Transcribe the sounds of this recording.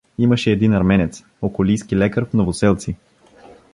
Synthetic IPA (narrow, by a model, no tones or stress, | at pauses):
imɐʃɛːd̪inɐɾmɛnɛt̪s | okolijskilɛkəɾfnovosɛlˠt̪si